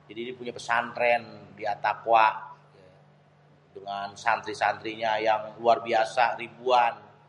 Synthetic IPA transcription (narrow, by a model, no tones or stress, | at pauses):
d͡ʒadiːnipuɲapəsanɾɛndiat̪akwaʔ | dəŋansant̪ɾisant̪ɾiɲajaŋluarbiasaɾibuan